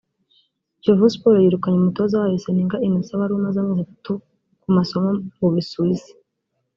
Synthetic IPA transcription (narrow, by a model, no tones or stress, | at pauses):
d͡ʒovuspoɾojiɾukaɲemuto̞zawajeseniŋɡaʔinisaβaɾumazamŋizatatu | kumaso̞momuβisuizi̥